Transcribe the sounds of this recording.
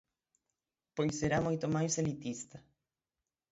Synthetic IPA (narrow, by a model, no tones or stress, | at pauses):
pojseɾamujt̪omajselit̪ist̪ɐ